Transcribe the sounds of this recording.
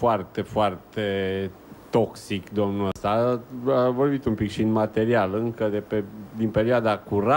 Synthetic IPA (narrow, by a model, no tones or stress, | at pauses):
foart̪e̞foart̪e | t̪o̞ksikd̪o̞mnuəst̪aavo̞rbit̪umpikʃiɨnmat̪e̞ɾialɨŋkəd̪e̞ped̪inpe̞ɾioad̪akuɾa